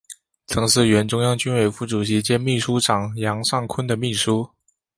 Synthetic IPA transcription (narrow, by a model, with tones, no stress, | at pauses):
t͡sʰɤ˧˥ŋʂɻ̩˥˩ɥɛ˧˥nʈ͡ʂʊ˥ŋjɑ˥ŋt͡ɕy˥nwe˥˩ɪfu˥˩ʈ͡ʂu˨˩ɕi˧˥t͡ɕjɛ˥nmi˥˩ʂu˥ʈ͡ʂɑ˨˩ŋjɑ˧˥ŋʂɑ˥˩ŋkʰwə˥nd̪ə˨mi˥˩ʂu˥